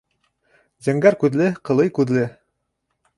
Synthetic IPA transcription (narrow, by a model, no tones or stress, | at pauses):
zæŋɡæɾkʉðlɘqɤ̆lˠɤjkʉðlɘ